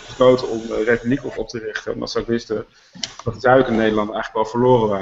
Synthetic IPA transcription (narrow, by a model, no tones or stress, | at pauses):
əslowtəɔmrejpyblikɔfɔp̚tərɪχtəɛ̰ndɑ̰tsawɪkʋɪstə | dɑt̚dəzaɥəkənːejdəɹlɑndəɛjχələkʋɛlˠvəɹlʊːrəʋaː